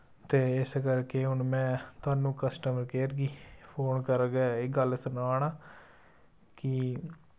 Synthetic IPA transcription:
t̪eːɪskəɾkeːɦʊnmɛ̃ːt̪aːnũːkəsʈəməɾkeːɾɡiːpʰoːnkəɾɡɛːɪɡəlsənaːɽaː | kɪ

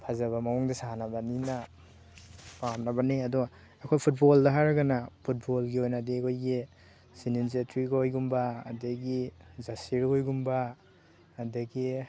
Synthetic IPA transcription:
pʰazaβamawɔŋdisaɦanabanina | pamnabaniadɔ | akʰojpʰut̚bɔldaɦaɾaɡanapʰut̚bɔlɡiojnadikʰojɡi | sininz̬etʰɾikojɡumbaːdeɡizasiɾojɡumbaː | daɡi

